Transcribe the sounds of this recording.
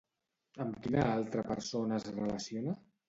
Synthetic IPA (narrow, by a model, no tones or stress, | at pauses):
əmkinəalˠt̪ɾəpə̰ɾsonazrələsionə